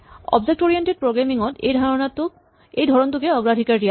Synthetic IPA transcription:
ɔ̰bzek̚ʈɔɹienʈed̚pɹoɡɹamiŋɔt̪ḛjdʱaɹɔnatu | ejd̪ʱɔɹɔnt̪ukeɔɡɹadʱikaɹɾija

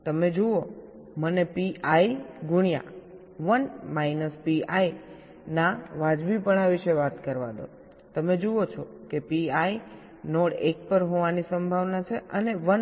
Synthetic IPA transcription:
t̪əmed͡ʒoo | mənepiaiɡʊɽ̃ija̰ | ʋənmainəspiai | naʋad͡ʒbipəɳaʋiʃeʋat̪kəɾʋa̰d̪o̰ | t̪əmed͡ʒoot͡ʃʰɔkepiai | noɽek̚pəɾɦoʋanisəmbʱaʋnat͡ʃʰeəneʋən

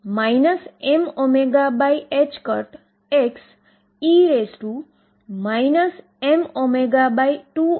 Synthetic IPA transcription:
majnəsemomeɡabajet͡ʃkəɾʈ | eks | iesʈu | majnəs | emomeɡabajʈu

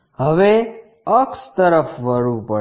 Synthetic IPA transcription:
ɦəʋe | əkst̪əɾəfʋəɽupə

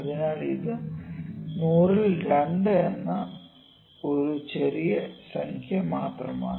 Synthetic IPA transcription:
ɐðinaːɭiðɨ | nuːrilɾeɳɖɨenːɐ | o̞ɾut͡ɕeɾijɐsɐŋkʰjɐmaːt̪rɐma̰ːɳ

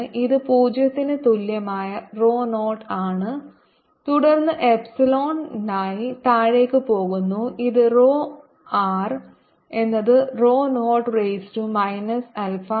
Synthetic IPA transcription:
ɨʔiðɨpuːd͡ʑɐt̪ːinɨt̪uljɐmaːjɐro̞ːnoːʈaːɳɨ | t̪uɽɐrnːɨʔepsɐlo̞ːnnaːjit̪aːɻe̞ːkːɨpo̞ːɣunːuiðɨroː | aːr | e̞nːɐðɨro̞ːnoːʈrejstumɐjnɐsɐlfɐ

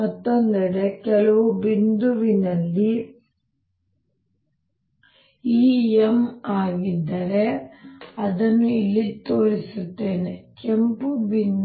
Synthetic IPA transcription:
ɐt̪ːond̪ɐɽekɛɭɐʋubind̪uʋinɐlːi | iːemaːɡid̪ːɐɾe | ɐd̪ɐnːuilːit̪o̞ːɾisut̪ːe̞ːne̞kempubin

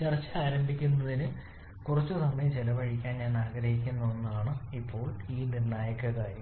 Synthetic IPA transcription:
t͡ɕɐrɐt͡ɕːɨaːɾɐmbʱikʲːunːɐðinɨ | kurɐt͡ɕːut̪ɐmːet͡ɕelɐʋɐɻikʲːaːnɲaːnaːɡɾɐhɦik̬ʲːunːɐonːuaːɳɨipːo̞ːɭiːnirɳaːjɐkːɐkaːɾjɐm

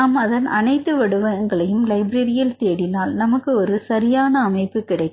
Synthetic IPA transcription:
aːmɐðɐnʔɐnɐɪt̪ːɯʋɐɽɯʋɐŋɡɐɭɐjɯmlɐɪbɾɐɾɪjɪlt̪eːɽɪnaːlnɐmɐkːɯɔɾɯsɐɾɪjaːnɐːmɐɪpːɯkɪɽɐɪkː

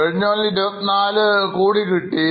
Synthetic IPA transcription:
eɻiɲːoːnlidɐnaːlɨkuːɽikiʈːi

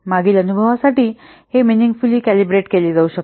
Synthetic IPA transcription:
maɡiːlənubʱəʋasaʈiː | heminiŋɡfuliːkælibɾeʈkeliːd͡zauɕək̚

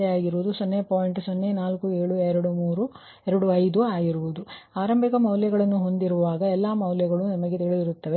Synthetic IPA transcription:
eaːɡiɾuʋud̪usonːepaːjɳʈsonːenaːlkueːɭuɛɾɐɽumuːɾu | ɛɾɐɽuɐjd̪uaːɡiɾuʋud̪uaːɾɐmbʱikɐmɐwljɐɡɐɭɐnːuɦo̞nd̪iɾuʋaːɡɐɛlːaːmɐwljɐɡɐɭunɐmɐɡe̞t̪iɭid̪iɾut̪ːɐʋe

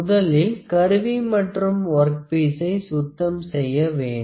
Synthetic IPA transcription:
ðɐlɪlkɐɾɯʋimɐʈrɯmʋɐɾk̚peːsɐɪsʊt̪ːɐmsɛjːɐʋeːɳ

